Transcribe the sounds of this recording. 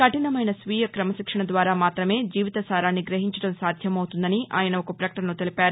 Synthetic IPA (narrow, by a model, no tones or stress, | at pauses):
kɐʈinɐmɐjnɐsʋiːjɐkɾɐmɐʃikʂɐɳɐd̪ʋaːɾaːmaːt̪ɾɐme̞ːd͡ʒiːʋit̪ɐsaːɾaːnːiɡɾɐɦiɲt͡ʃɐɽɐmsaːd̪ʱjɐmɐwut̪und̪ɐniʔa̰ːjɐnɐokɐpɾɐkɐʈɐnlut̪elipaːɾu